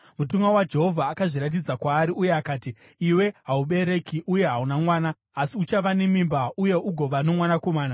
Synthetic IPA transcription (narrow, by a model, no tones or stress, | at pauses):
mutuŋɡawad͡ʒe̞ɦo̞vʱaːkaʐiɾat̬id͡zakwaːɾiuje̞akaːtiː | we̞ɦauɓe̞ɾe̞kiʔuje̞ɦaunamwaːnaː | siut͡ʃaʋane̞mimbauje̞ʔuɡʱo̞ʋano̞mwanako̞maːna